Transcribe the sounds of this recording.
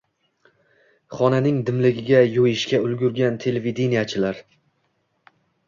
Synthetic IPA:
χɒnanɪŋd̪ɪmlɪɡʲɪɡʲajojɪʃkʲaʊlɡʲʊɾɡʲant̪ʰe̞levid̪enijat͡ʃʰɪlaɾ

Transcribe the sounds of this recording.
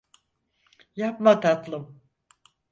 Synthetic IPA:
japmat̪ʰat̪lˠɯm

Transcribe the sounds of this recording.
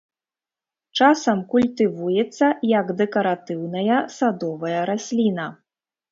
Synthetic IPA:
t͡ʂasɐmkulʲt̪ɨvujɛt̪sːɐjɐɡd̪ɛkɐɾat̪ɨwnɐjɐsad̪ɔvɐjɐɾasʲlʲinɐ

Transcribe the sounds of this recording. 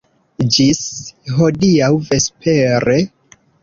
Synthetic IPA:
d͡ʒisɦo̞diawve̞spʰe̞ɾe̞

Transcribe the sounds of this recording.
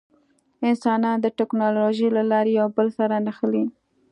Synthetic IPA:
ɪnsɑnɑnd̪əʈɛknɑloʒilalɑɾejawbəlsaɾanaxəli

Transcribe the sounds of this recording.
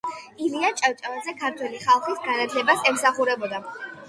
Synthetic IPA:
iliat͡ʃʼawt͡ʃʼavanzɛkʰaɾt̪ʰwɛliχalˠχisɡanat̪ʰlɛbasɛmsaχuɾɛbɔd̪a

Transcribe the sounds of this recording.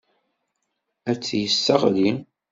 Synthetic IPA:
æt͡sːjəsːəʁli

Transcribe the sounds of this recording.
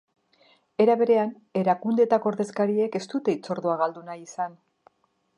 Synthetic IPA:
e̞ɾaβe̞ɾe̞an | e̞ɾakund̪et̪akoɾðe̞skaɾie̞ke̞st̪ut̪e̞it͡so̞ɾðoaɣald̪unajisan

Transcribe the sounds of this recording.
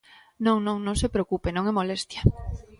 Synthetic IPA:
nõŋnõŋnõŋsepɾeokupenõŋɛmolest̪ja

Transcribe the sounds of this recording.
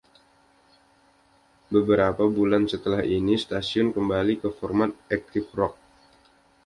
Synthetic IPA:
bəbəɾapabulansət̪əlahinisə̥t̪asiʊnkəmbalikəfɔrmat̪̚ɛk̚t̪ɪfrɔk̚

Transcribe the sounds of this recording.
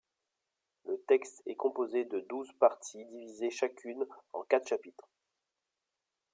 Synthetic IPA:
lət̪ɛkst̪ɛkɔ̃pozed̪əd̪uzpaʁt̪ʰid̪ivizeʃakʲʰynɑ̰̃kat̪χʃapit̪χ

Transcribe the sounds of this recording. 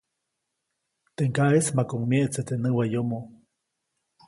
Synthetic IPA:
t̪eŋkaʔesmakoŋmeʔt͡set̪enəwajomo

